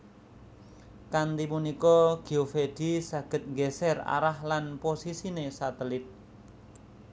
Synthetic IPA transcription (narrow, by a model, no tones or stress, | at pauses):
kant̪imunikɔɡ̥i̤ofeɖ̪̥isaɡ̥ə̤t̪̚ŋɡɛsɛra̰ɾahlanposisinesat̪əlɪt̪̚